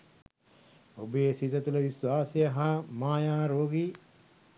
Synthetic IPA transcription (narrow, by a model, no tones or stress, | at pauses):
obeːsit̪ɐt̪ulɐʋiswaːsejɐɦamaːjaːɾoːɡi